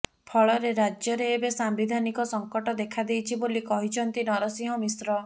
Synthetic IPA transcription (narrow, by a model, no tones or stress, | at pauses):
pʰɔɭɔɾeɾad͡ʒjɔɾeːbesambid̪ʱanikɔsɔŋkɔʈɔd̪ekʰad̪ejt͡ʃʰibolikɔɦit͡ʃʰɔnt̪inɔɾɔsĩɦɔmisɾɔ